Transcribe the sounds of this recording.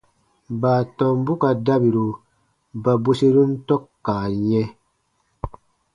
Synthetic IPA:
baː˨tɔ̃˨m˦bu˦ka˨da˦bi˨ɾu˨ | ba˨bo˦se˦ɾu˦n̩˦tɔ˦kːaː˨ɲɛ˦

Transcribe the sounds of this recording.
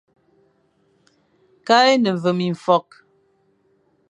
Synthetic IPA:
ka˦e˦nə˨ɱ˨və˨mi˨ɱ̩˨fɔ˦˨k̚

